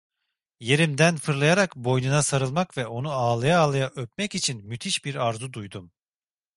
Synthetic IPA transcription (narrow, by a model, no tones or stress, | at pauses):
je̞ɾimd̪ænfɯɾlˠajaɾakbo̞jnunasaɾɯlˠmakvɛʔo̞nuaːlˠajaːlˠajaʔøpmɛcit͡ʃʰinmyt̪ʰiʃbiɾaɾzud̪ujd̪um